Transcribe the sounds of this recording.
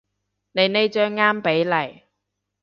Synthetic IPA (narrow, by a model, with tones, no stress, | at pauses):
ne˨˧jne˨˧jt͡ʃœː˧ŋːaː˥mpe˨˥jlɐ˨˩j